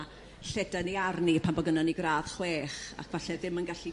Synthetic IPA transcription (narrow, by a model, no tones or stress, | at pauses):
ɬɛdaniarnipʰanbɔɡənɔniɡraːð̥χweːχa̰kʰv̥aɬɛðɪmənɡaɬi